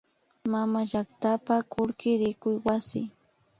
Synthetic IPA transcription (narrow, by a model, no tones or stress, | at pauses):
mamaʒakt̪apakʊɾkɪɾɪkʊjwasɪ̰